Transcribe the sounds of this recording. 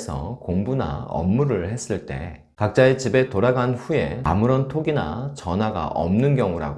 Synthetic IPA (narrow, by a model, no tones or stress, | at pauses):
sʰʌ̰koŋbuna̰ʌ̰mːuɾɯɭhe̞s͈ɯɭt͈e̞̰ | kak̚t͡ɕ͈aet͡ɕibe̞toɾaɡanɸuje̞a̰muɾʌntʰoɡina̰t͡ɕʌnɦwaɡa̰ʔʌmnɯnɡjʌŋuɾa̰ɡo